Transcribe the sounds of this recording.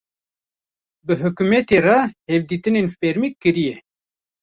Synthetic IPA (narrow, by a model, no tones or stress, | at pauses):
bɨɦɨkumɛt̪erahɛvd̪iːt̪ɨnenfɛɾmikːɨɾijɛ